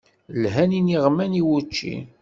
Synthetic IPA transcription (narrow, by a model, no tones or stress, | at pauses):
lɦæniniʁmæniwut͡ʃːḭ